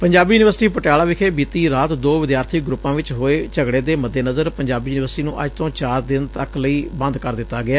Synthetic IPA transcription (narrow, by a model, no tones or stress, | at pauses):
pəɲd͡ʒaːbiːuːnɪʋəɾsʈiːpəʈjaːlaːʋɪkʰeːbiːt̪iːɾaːt̪d̪oːʋɪd̪jaːɾt̪ʰiːɡɾʊpːãːʋɪt͡ʃɦoːeːt͡ʃəɡɽeːd̪eːməd̪ːeːnəzəɾpəɲd͡ʒaːbiːuːnɪʋəɾsʈiːnũːʔəd͡ʒt̪õːt͡ʃaːɾd̪ɪnt̪əkləiːbə̃nd̪kəɾd̪ɪt̪ːaːɡɪaː